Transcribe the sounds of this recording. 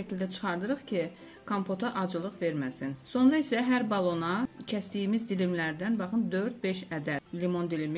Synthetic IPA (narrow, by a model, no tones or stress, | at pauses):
æcʰild̪æt͡ʃʰɯ̥χɑɾd̪ɯɾɯχcʰi | kʰompʰo̞t̪ʰɑʔɑd͡ʒɯlˠɯχve̞ɾmæsinso̞nɾɑisæɦæɾbɑlˠo̞nɑcʰæst̪ijimizd̪ilimlæɾd̪ænbɑχɯmd̪ø̞ɾd̪̚be̞ʃæd̪ælimo̞nd̪ilimi